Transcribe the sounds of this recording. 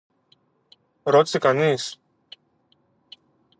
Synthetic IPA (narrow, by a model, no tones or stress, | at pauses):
ɾo̞t̪i̥sekɐnis